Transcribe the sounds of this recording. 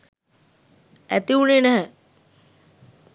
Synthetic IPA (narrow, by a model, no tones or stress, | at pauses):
æt̪iunenɛɦɛ̃